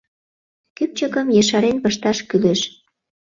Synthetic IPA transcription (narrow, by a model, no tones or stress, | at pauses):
kyp̚t͡ɕəkəmjeʃɑɾenpəʃt̪ɑʃkyleʃ